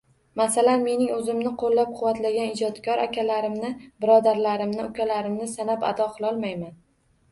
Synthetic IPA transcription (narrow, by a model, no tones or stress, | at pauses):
masalanme̞nɪŋɵzɪmnɪqʰolːap̚qʰʊwːat̪laɡʲanɪd͡ʒɒd̪kʲʰɒɾʔakʲʰalaɾɪmnɪbɪɾɒd̪aɾlaɾɪmnɪʊkʲalaɾɪmnɪsanapa̰d̪ɒqɨlˠɒlˠmajman